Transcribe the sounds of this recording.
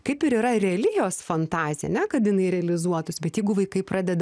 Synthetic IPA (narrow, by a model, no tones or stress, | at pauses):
kɐɪpɪɾiːɾɐɾʲɛɐlʲɪjoːsfɐnt̪ɑːzʲɪɛ̰nʲɛkɐt̪jɪnɐɪɾʲɛɐlʲɪzuɔt̪ʊsbʲɛt̪jɛɪɡʊʋɐɪkɐɪpɾʔɑːdʲɛd̪ɐ